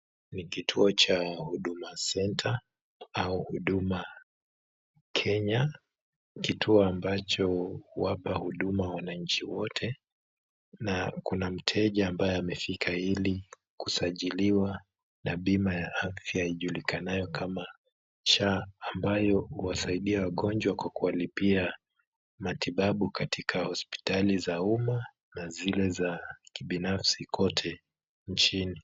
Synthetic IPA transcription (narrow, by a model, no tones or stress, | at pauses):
nikitʰuɔt͡ʃahuɗumasɛntʰa | auhuɗuma | kʰɛɲa | kitʰuɔambat͡ʃɔuwapahuɗumawanaɲ̩t͡ʃiwɔtʰɛ | nakunam̩tʰɛʄaːmbajɛamɛfikʰaili | kusaʄiliwa | naɓimajaafjaiʄulikanajɔkʰama | t͡ʃaːmbajɔhuwasaiɗiawaɠɔnd͡ʒwakwakuwalipia | matiɓaɓukatikʰahɔspi̥talizauma | nazilɛzakiɓinafsikʰɔtʰɛ | nt͡ʃini